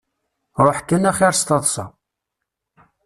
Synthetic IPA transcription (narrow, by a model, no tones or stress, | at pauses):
ɾˤoħkːænæχiɾst̪ɑðˤsɑ̰